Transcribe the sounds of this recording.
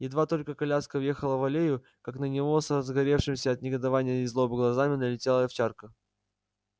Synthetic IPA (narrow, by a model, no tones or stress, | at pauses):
jɪd̪vat̪o̞lʲkəkɐlʲaskəvje̞xəlˠəvɐlʲejʊ | kaknənʲɪvo̞sɾəzɡɐɾʲe̞fʂɨmsʲəɐːt̪nʲɪɡəd̪ɐvanʲɪjəɪzlˠobəɡlˠɐzamʲɪnəlʲɪtʲelˠəft͡ɕarkə